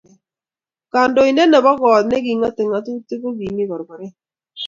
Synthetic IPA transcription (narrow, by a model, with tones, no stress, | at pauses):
ka˨ndo˨i˨nɛ˦nɛ˨bɔ˦ɡɔ˨t̪nɛ˦ɡi˨ŋa˦te˨ŋa˨tu˦tɪ˦ko˦ɡi˨ni˦kɔ˨ɾbɔ˨ɾɛ˦